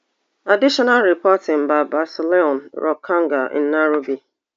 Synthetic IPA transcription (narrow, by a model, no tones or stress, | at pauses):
adiʃɔnalɾipɔtɪŋ̩baɪbasɪleɔ̃nɾʔɔkʰaŋɡaɪ̰n̩ːaɾobi